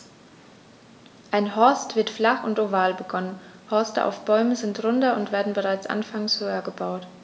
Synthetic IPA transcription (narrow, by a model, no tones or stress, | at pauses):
ʔaɪnɦɔɐstv̥ɪɐtflaχʊntʔovaːlbəɡɔnənhɔɐstə̰ʔa̰ʊfb̥ɔʏməzɪntʁʊndɐʊntv̥eːɐdn̩bəʁaɪt͡sʔa̰nfaŋshøːɐɡəbaʊt